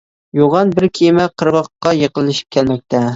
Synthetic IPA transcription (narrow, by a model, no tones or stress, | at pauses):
joʁɑnbɪɾkʲʰejmɛqʰəɾbɑqːɑjəqəlˠːɨʃi̥p̚kʲʰɛlmɛk̚ʲt̪ʰɛ